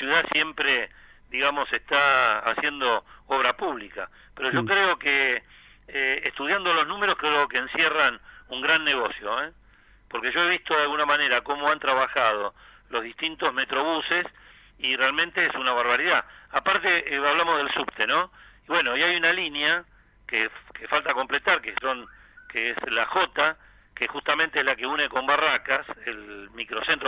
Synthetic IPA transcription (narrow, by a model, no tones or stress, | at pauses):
sjuðasje̞mpɾe | d̪iɣamo̞sest̪a̰ːsje̞nd̪o̞oβɾapuβlika | pe̞ɾoʒo̞kɾeo̞ke | eːst̪uð̞jand̪olo̞znũme̞ɾo̞skeokeːnsjeranuŋɡɾanːeɣo̞sjo̰e | poɾke̞ʒo̞e̞βist̪oðjalɣunamane̞ɾako̞mo̞ant̪ɾaβaxað̞o̞ | lo̞zðiht̪int̪o̞zme̞t̪ɾo̞βuses | irealmẽnt̪eesunaβaɾβaɾiðaapaɾt̪eaβlamoɦðe̞lsupt̪eno̞iβwe̞no̞iajunalinja | kekefalt̪akomplet̪aɾkeso̞ŋ | keeslaxo̞t̪a | kexust̪ament̪eezlakeune̞ko̞mbarakaselmikɾo̞sent̪ɾo